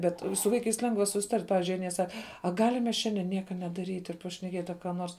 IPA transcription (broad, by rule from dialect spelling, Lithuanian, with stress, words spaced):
ˈbʲɛt sʊ ˈʋɐɪkɐɪs ˈlʲɛŋɡʋɐ sʊsʲɪˈtɐrʲtʲ ˈpɑːʋʲɪzʲd͡ʒʲʊɪ ˈɑːnʲiɛ ˈsɐk ɐ ˈɡɑːlʲɪm mʲɛs ˈʃʲɛnʲdʲɛ ˈnʲiɛkɐ nʲɛdɐˈrʲiːtʲ ɪr pɐʃʲnʲɛˈkʲiɛtʲ ɐ kɐ ˈnoːrs